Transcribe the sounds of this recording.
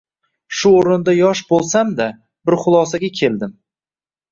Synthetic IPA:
ʃʊoɾɪnd̪ajɒʃbolˠsamd̪a | bɪɾχʊlˠɒsaɡʲakʲʰe̞ld̪ɪm

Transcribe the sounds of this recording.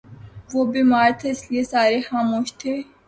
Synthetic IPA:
ʋoːbiːmaːɾt̪ʰɐɪsliesaːɾexaːmuːʃt̪ʰeː

